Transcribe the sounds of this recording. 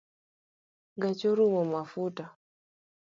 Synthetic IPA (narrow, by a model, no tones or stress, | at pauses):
ɡat͡ʃɔɾumɔmafuta